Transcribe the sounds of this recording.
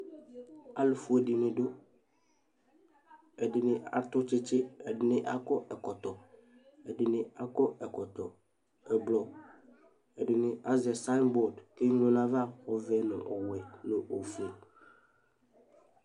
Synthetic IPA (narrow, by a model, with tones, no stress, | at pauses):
a˦lʊ˨fu˨e˨di˨nɪ̃˨dʊ˦ | ɛ˨dɪ˨nɪ̃˨˦a̰˨tʊ˦t͡ʃɪ˦t͡ʃɪ˦ɛ˨dɪ˨nɪ̃˦ʔa˦kɔ˦ʔɛ˨kɔ˨t̪ɔ˨ | ɛ˨dɪ˨nɪ̃˦a˦kɔ˦ɛ˨kɔ˨t̪ɔ˨ | ɛ˨blɔ˨ | ɛ˨dɪ˨nɪ̃˨a˦zɛ˨sa˦nbɔ˨dke˦ɲ˦õ˦nã˦va˦˨ɔ˨vɛ˨nʊ̰̃˨ʔɔ˨wɛ˨no˨ʔo˨fe˨